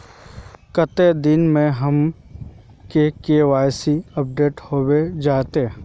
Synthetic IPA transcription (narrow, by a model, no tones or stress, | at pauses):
kət̪ed̪ɪnmẽɦɐm | kekeʋaːjsiɐp̚ɖeːʈhoːwed͡ʒaːt̪e